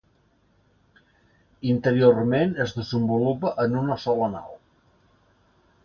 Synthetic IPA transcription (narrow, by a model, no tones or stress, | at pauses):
int̪əɾiormenəzðəzəmbulupəʔənunəsɔləna̰lˠ